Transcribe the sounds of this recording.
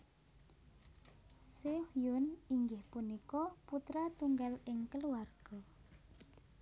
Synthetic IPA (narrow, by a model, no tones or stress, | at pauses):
sehjʊniŋɡɪhpunikɔput̪ɾat̪uŋɡalɪŋkəluarɡ̥ɔ